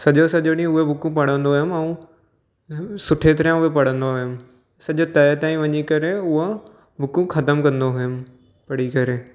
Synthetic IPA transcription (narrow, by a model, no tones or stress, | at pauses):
sɐʄosɐʄoɽĩʊɦebʱʊkũpɐɽ̤ə̃nd̪oɦɪmɛũ | sʊʈʰet̪ɐɾjãʊɦepɐɽ̤ə̃nd̪oʊɦɪm | sɐʄot̪ɐt̪ãːĩʋɐɲikɐɾeʊɦo | bʱʊkũxʰɐt̪əmkɐ̃nd̪oɦʊʊm̆ | pɐɽikɐɾeː